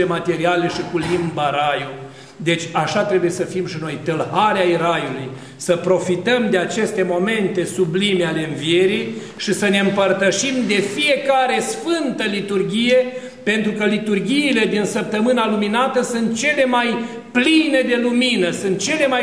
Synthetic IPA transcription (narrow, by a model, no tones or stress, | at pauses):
emat̪e̞ɾiale̞ʃikulimbaɾaju | d̪e̞t͡ʃʲaʃat̪ɾe̞buje̞səfimʃino̞jt̪ɨlhaɾeaiɾajuluj | səpɾo̞fit̪əmd̪eat͡ʃe̞st̪e̞mo̞me̞nt̪e̞sublimeale̞ɨnvije̞ɾij | ʃisəne̞ɨmpərt̪əʃimd̪e̞fije̞kaɾe̞sfɨnt̪əlit̪urɡʲije̞ | pe̞nt̪ɾukəlit̪urɡʲiːle̞d̪insəp̚t̪əmɨnaluminat̪əsunt̪̚t͡ʃe̞le̞maj | pline̞d̪e̞luminəsɨnt̪̚t͡ʃe̞le̞maj